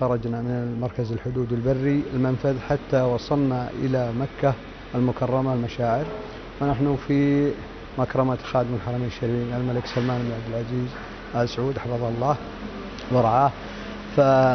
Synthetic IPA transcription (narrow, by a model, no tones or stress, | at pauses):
xɑɾˤɑd͡ʒnamɪnɪlmɑɾˤkazɪlħʊd̪uːd̪ɪlbarːiɪlmanfaðħat̪ːawɑsˤɑlnaʔɪ̰lamakːa | ɪlmʊkʰɑrˤːɑmalmaʃaːʕɪɾ | wɪnaħnufi | makɾˤɑmat̪xaːd̪mɪlħɑɾˤɑmiːnɪʃːaɾʕiːnalmalɪksalmaːnɪbɪnʕabd̪ɪlʕaziːz | ʔalsʕuːd̪ħɑfɑðˤɑhɑlˤːɑːh | wɪɾˤɑʕaːh | fa